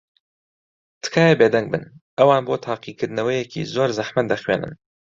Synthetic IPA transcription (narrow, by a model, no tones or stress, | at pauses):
t̪ʰɨ̥kʰaːjebeːd̪ɛŋɡ̚bɨ̰nʔɐwɑːnboːt̪ʰaːqiːkʰɨɾd̪ɨnɐwɐjɛkʰḭːzoːɾzɐħmɐt̪̚d̪ɐxweːnʔɨ̰n